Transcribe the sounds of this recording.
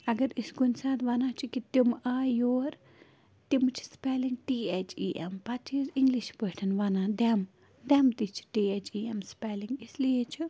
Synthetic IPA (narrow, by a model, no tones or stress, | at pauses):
ɐɡɐɾisɡunʲsaːt̪ʋanaːt͡ʃʰikit̪imaːjoːɾ | t̪imt͡ʃʰi̥spɛːliŋɡ̚ʈiːet͡ʃʰḭːʔɛ̰mpat͡ʃʰiziŋɡliʃbəʈʰɐnʋanaːd̪ɛm | d̪ɛmt̪it͡ʃʰi̥ʈiːet͡ʃʰiːɛmspɛːliŋɡislijet͡ʃʰi